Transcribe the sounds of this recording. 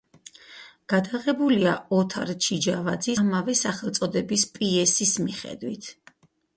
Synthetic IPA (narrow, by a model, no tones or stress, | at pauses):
ɡ̥ad̪aʁɛbuliaɔt̪ʰaɾt͡ʃʰid͡ʒavad̪zimavɛsaχɛlˠt̪sʼɔd̪ɛbispʼiɛsismiχɛ̰d̪wit̪ʰ